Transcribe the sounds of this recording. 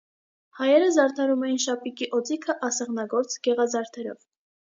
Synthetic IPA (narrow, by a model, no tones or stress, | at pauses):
hɑjɛɾəzɑɾt̪ʰɑɾumɛjinʃɑpikiʔɔt͡sikʰəʔɑsɛʁnɑɡɔɾt͡sɡ̥ɛʁɑzɑɾt̪ʰɛɾɔ̰v